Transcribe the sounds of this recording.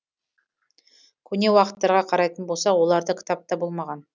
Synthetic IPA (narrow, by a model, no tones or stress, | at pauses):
kʲʰɵne̞wɑqə̥t̪ːɑɾʁɑqʰɑɾɑjt̪ənbo̞lˠsɑwo̞lˠɑɾd̪əkʲʰɪ̥t̪ɑp̚t̪ɑbo̞lˠmɑʁɑn